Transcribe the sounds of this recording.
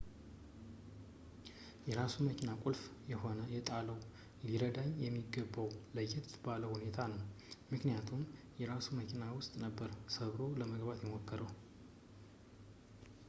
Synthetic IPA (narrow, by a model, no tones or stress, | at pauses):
jɛɾasuməkʰinakʼulfjɛho̞nəjɛt̪ʼaləw | liɾəd̪aɲjɛmːiɡːəbːəwləjːɛt̪baləhune̞t̪ʰanəw | mɨknijat̪ʰum | jɛɾasuməkʰinawʊst̪ʼnəbːəɾsəβɾo̞ləməɡbat̪jɛmokːəɾəw